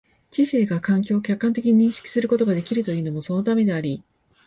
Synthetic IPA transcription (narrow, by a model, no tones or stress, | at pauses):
t͡ɕise̞ːɡakãŋk̬ʲo̞ːkʲakːãnt̪e̞kʲiɲ̟iɲĩɰ̃ɕkʲi̥sɨɾɯ̟ko̞t̪o̞ɡad̪e̞kʲiɾɯ̟t̪o̞jɯːno̞mo̞so̞no̞t̪ame̞d̪e̞aɾʲi